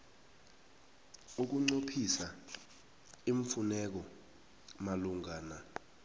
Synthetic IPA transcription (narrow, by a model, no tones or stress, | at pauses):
uk̬uŋ͡ǀopʰisa | iɱfunɛk̬ɔ | maluŋaːna